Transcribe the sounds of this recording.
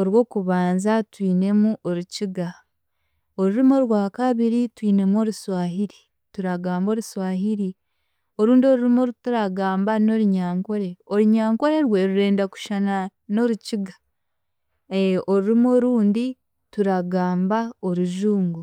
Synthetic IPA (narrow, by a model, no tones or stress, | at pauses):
o̞ɾwo̞ːkuβaːnzatwiːne̞muʔo̞ɾuciɡa | oɾuɾimo̞ɾwaːkaβiɾitwiːne̞mo̞ɾuswaːɦiɾi̥ | tuɾaɡaːmbo̞ːɾuswaːɦiɾi | o̞ɾuːndio̞ɾuɾimoɾutuɾaɡaːmbano̞ɾuɲaːŋko̞ɾe̞oɾiɲaːŋko̞ɾe̞ɾweɾuɾe̞ːndaku̥ʃana | no̞ɾuciɡa | eoɾuɾimoɾuːndi | tuɾaɡaːmbao̞ɾuʒuːŋɡu